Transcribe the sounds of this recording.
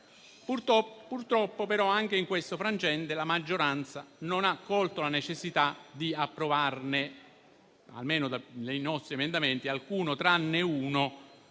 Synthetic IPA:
purt̪ɔpurt̪ɾɔpːopeɾɔaŋk̟eiŋkwest̪ofɾant͡ʃɛnt̪elamad͡ʒːoɾant̪sanonakːɔlt̪olanet͡ʃesːit̪ad̪iapːɾovarne | a̰lmeːnod̪anejnɔst̪ɾiemend̪ament̪ialkuːnot̪ɾanːeuːno

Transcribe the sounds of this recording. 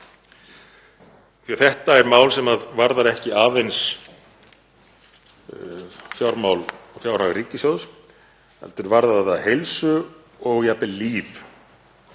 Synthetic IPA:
θiaθɛht̪aɛɾmaːwlsɛmaðvaɾðaɾɛhcɪʔaːvejns | fjawɾmawlɔfjawɾ̥haɣriːcːɪsjowðs | ɛ̰lt̪ʏɾvaɾðaðaðaðhejlsʏ | ɔɣjapɪliːv

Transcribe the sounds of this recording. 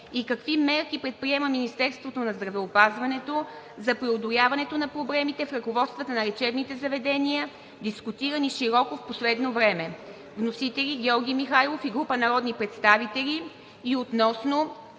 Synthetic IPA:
ikɐkvimɛɾkipɾɛt̪̚pɾiɛmɐminist̪ɛɾst̪vot̪onɐzd̪ɾɐvɛopazvɐnɛt̪o | zɐpɾiod̪olʲjavɐnɛt̪onɐpɾoblɛmit̪ɛfɾɐkovɔt̪st̪vɐt̪ənɐɾɛt͡ʃɛbnit̪ɛzɐvɛd̪ɛnijə | d̪iskut̪iɾəniʃiɾɔkofposlɛd̪novɾɛmɛ | vnosit̪ɛlʲiɡʲɔɾɡʲijmixajlˠofiɡɾupənɐɾɔd̪nipɾɛt̪st̪avit̪ɛliː | ot̪nɔsno

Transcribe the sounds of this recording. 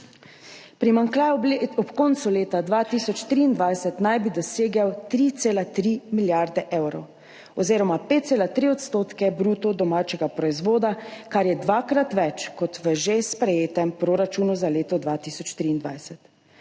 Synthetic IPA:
pɾimaŋkaɔpkɔnt̪suleːt̪ad̪ʋat̪isɔt͡ʃt̪ɾiːnd̪ʋajsɛt̪najbid̪ɔseːɡawt̪ɾit̪seːlat̪ɾimiljaɾd̪ɛʔɛwɾɔw | ɔziːɾɔmapet̪̚seːlat̪ɾiɔt̪st̪oːt̪kɛbɾuːt̪ɔd̪ɔmaːt͡ʃɛɡapɾɔizʋoːd̪akaɾjɛd̪ʋaːkɾat̪ʋɛt͡ʃkɔt̪ʋəʒespɾɛjeːt̪ɛmpɾoːɾat͡ʃuːnuzaleːt̪ɔd̪ʋat̪iːsɔt͡ʃt̪ɾiːnd̪ʋa̰jsɛt̪

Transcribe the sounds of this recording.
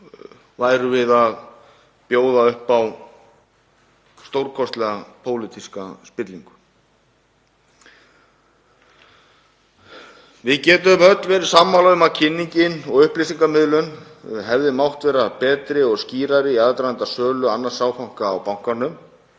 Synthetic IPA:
vaːjɾʏvɪðað | pjoːwðaʏhpaw | st̪owɾkʰɔst̪lɛɣapʰoːwlɪt̪ʰiskaspɪt̪liŋkʏ̥ | vɪðcɛːt̪ʏmœt̪lvɛːɾɪ̥saːmːalaɣʏmaðcʰɪnːiɲcɪnɔɣʏhplisiŋkamɪðlʏn | ɦɛvðɪmawht̪vɛːɾapɛːt̪ɾɪɔɣsciːɾaɾɪiaðt̪ɾaant̪asœːlʏanːḁsaːwfawŋ̥kaːwpawŋ̥kanːʏm

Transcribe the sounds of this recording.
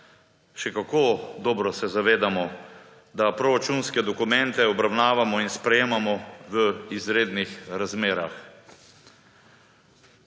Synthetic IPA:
ʃɛkakod̪ɔːbɾɔsɛzaʋeːd̪amɔ | d̪apɾɔɾat͡ʃunskɛd̪ɔkumɛnt̪ɛɔbɾawnaːʋamɔinspɾɛjeːmamɔʋəizɾeːd̪nixɾazmeːɾax

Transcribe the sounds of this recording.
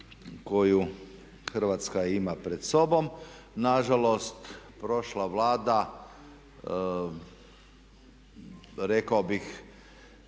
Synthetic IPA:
ko̞ju | xr̩ʋat̪skaimapɾed̪so̞bom | naʒalost̪pɾo̞ʃlaʋlaːd̪a | ɾekaobix

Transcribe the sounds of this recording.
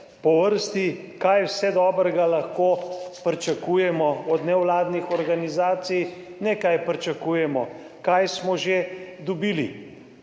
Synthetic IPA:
pɔʋəɾst̪i | kajwsɛd̪ɔːbɾɛɡalɐxkoːpɾit͡ʃakuːjɛmɔɔd̪nɛwlaːd̪nixɔɾɡanizaːt̪sijnɛkajpɾit͡ʃɐkuːjɛmɔ | kajsmɔʒed̪ɔbilḭ

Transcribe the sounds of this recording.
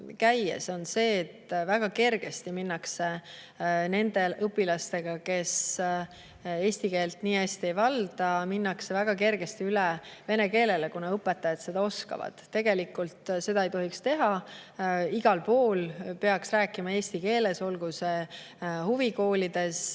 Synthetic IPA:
kæjḛso̞nse̞ːt̪ːvæɡ̥ɑke̞rɡ̥e̞st̪iminːɑkse | ne̞nd̪e̞ʔɤpːˑilɑst̪e̞ɡ̥ɑke̞s | e̞ːst̪ike̞ːlt̪niːæsʲt̪ie̞jvɑld̪̥ɑminːɑksevæɡ̥ɑke̞rɡ̥e̞st̪iylɛve̞ne̞ke̞ːle̞lekunɑɤpːˑe̞t̪ːˑɑjɑd̪se̞d̪̥ɑo̞skɑ̰vɑ̰d̪̥ːe̞ɡ̥e̞likult̪se̞d̪̥ɑejt̪o̞ɦikst̪e̞ɦɑ | iɡ̥ɑlpo̞ːlpe̞ɑksræːkːˑimɑe̞ːsʲt̪ike̞ːle̞so̞lɡ̥usehuviko̞ːlid̪̥e̞s

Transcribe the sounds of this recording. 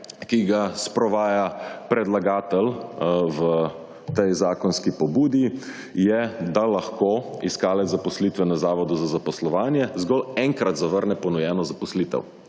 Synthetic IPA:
kiɡaspɾɔʋaːjapɾɛd̪laɡaːt̪ɛlʋə | t̪ɛjzaːkɔnskipɔbuːd̪i | jɛd̪alaxkoːiskaːlɛzapɔsliːt̪ʋɛnazaːʋɔd̪uzazapɔslɔʋaːnjɛzɡɔlɛŋkɾat̪zaʋəɾnɛpɔnɔjɛːnɔzapɔsliːt̪ɛ̰w

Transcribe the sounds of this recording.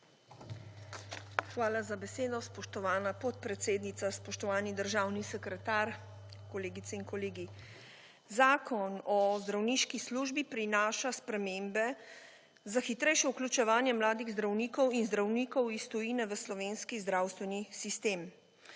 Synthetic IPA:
xʋaːlazabɛseːd̪ɔspɔʃt̪ɔʋaːnapɔt̪̚pɾɛt̪seːd̪nit̪saspɔʃt̪ɔʋaːnid̪əɾʒawnisɛkɾɛt̪aɾ | kɔleːɡit̪sɛinkɔleːɡi | zaːkʰɔnɔzd̪ɾawniːʃkisluːʒbipɾinaːʃaspɾɛmeːmbɛ | zaxit̪ɾɛjʃɛuklʲut͡ʃɛʋaːnjɛmlaːd̪iɣzd̪ɾawniːkɔwinzd̪ɾawniːkɔwist̪ɔjiːnɛʋəslɔʋeːnskizd̪ɾawst̪ʋɛnisist̪eːm

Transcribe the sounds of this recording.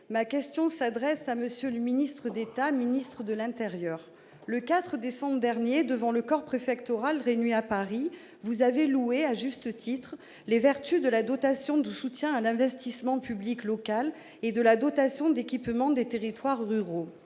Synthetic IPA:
makʲɛst̪jɔ̃sad̪ʁɛsaməsjøləminist̪χəd̪et̪aminist̪χəd̪əlɛ̃t̪eʁjœʁ | ləkat̪χəd̪esɑ̃bʁəd̪ɛʁnjed̪əvɑ̃ləkɔʁpχefɛkt̪ɔʁalʁenɥiapaʁi | vuzavelueaʒyst̪ət̪ʰit̪χ | levɛʁt̪yd̪əlad̪ɔt̪asjɔ̃d̪əsut̪jɛ̃alɛ̃vɛst̪ismɑ̃pybliklɔkal | ed̪əlad̪ɔt̪asjɔ̃d̪ekʲipmɑ̃d̪et̪eʁit̪waʁːyʁo

